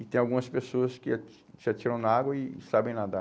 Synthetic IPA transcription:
ɪt̪ẽj̃awɡũmɐspesoɐskɪa | sɪat͡ʃiɾɐ̃w̃naaɡwɐɪsabẽj̃nad̪ɐ

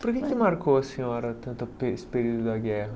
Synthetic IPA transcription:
poɾkekɪmaɾkoɐsĩɲɔɾɐt̪ɐ̃nt̪ɐpḛsɪ̥peɾiwd̪ʊd̪ɐɡɛɦɐ

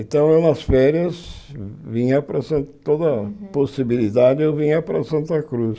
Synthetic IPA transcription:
ẽnt̪ɐ̃w̃ewnɐsfɛɾiɐzvĩɲɐpɾɐsɐ̃nt̪od̪ɐposibilid̪ad͡ʒɪewvĩɲɐpɾɐsɐ̃nt̪ɐkɾus

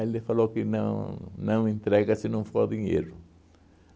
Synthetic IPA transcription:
elifalokɪnɐ̰̃nɐ̃w̃ẽnt̪ɾɛɡɐsinɐ̃w̃foɾd̪iɲḛɾʊ

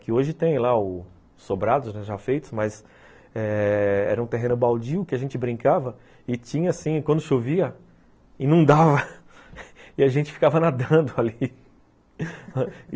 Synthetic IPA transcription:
kɪoʒɪt̪ẽj̃laʊ | sobɾad̪ʊznɛʒafejt̪ʊ̥zmɐz | ɛɛ̰ɾɐũt̪eɦẽnʊbawd͡ʒiʊkɪaʒẽnt͡ʃɪbɾĩŋkavɐ | ɪt͡ʃĩɲɐasĩkwɐ̃nd̪ʊʃoviɐ | inũd̪avɐ | ɪaʒẽnt͡ʃɪ̥fi̥kavɐnad̪ɐ̃d̪ʊali

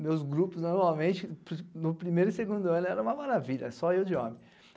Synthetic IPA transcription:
mewzɡɾupʊznoɾmawmẽt͡ʃɪpnʊpɾimejɾʊiseɡũnd̪ʊɐ̃nʊɛɾɐ̃ũmɐmaɾaviʎɐ̰sɔewd͡ʒɪõ̰mẽj̃

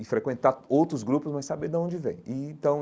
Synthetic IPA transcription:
ɪfɾekwẽnt̪aowt̪ɾʊzɡɾupʊzmɐsabeɾd̪ɐõnd͡ʒɪvḛ̃j̃ɪẽt̪ɐ̃w̃

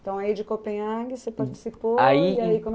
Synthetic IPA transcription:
t̪ɐ̃w̃aid͡ʒɪkopẽjɐ̃ɡɪsepaɾt͡ʃɪ̥sipoaiiaikõm

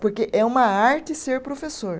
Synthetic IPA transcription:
poɾkeʔɛũmɐaɾt͡ʃɪseɾpɾofesoɾ

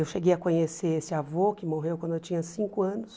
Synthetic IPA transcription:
ewʃeɡejɐkõɲeseesɪavokɪmoɦewkwɐ̃nd̪ʊewt͡ʃĩɲɐsĩŋkʊɐ̃nʊs

